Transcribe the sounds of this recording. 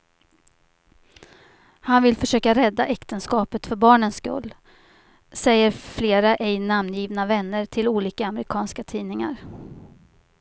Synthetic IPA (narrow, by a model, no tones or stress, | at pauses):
hanvɪlfœʂøːkaɾɛd̪ːaʔɛkt̪ənskɑːpət̪fœɾbɑːɳənskɵ̰lː | sɛjːəɾfleːɾaʔɛjnamnjiːvnavɛnːəɾʈʰɪluːliːkaːmɾɪkʰɑːnskat̪ʰiːnɪŋa̰ɾ